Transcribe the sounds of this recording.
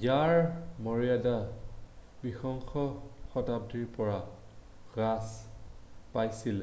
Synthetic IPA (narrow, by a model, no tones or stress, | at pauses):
jaɹmɔɹiada | bixɔŋxɔxɔtab̚diɹpɔɹa | ɡas | pajsil